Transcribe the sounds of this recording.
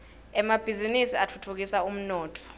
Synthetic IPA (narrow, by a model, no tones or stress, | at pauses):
ɛmab̥ʱizinisiatʰutʰuk̬isaum̩nɔːtʼɔ̥